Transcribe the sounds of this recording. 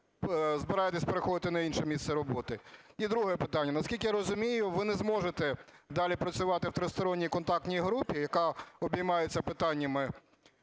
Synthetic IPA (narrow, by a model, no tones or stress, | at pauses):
zbɪɾɑjet̪esʲpeɾexɔd̪ɪt̪ɪnɐinʃɛmʲissɛɾɔbɔt̪ɪid̪ɾuɦɛpɪt̪ɑnʲːɐnɐskʲilʲkɪjaɾɔzʊmʲijʊʋɪnɛzmɔʒet̪ɛ | d̪ɑlʲipɾɐt͡sʲʊʋɑt̪ɪwt̪ɾɪst̪ɔɾɔnʲːijkɔnt̪ɑk̚t̪ʲnʲijɦɾupʲijɐkɑɔbʲijmɑjet͡sʲːɐpɪt̪ɑnʲːɐmɪ